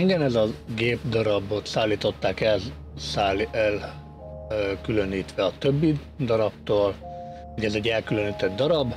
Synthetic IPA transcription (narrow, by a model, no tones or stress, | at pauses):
iŋɡɛnɛzɒɡeːbd̪ɒɾɒbo̞t̪saːlːiːt̪o̞t̪ːaːkɛl | saːlɛl | kylø̞niːt̪ʋɛɒt̪øbːi | d̪ɒɾɒpt̪oːl | ɔɟɛzɛɟːɛlkyløniːt̪ɛd̪d̪ɒɾɒb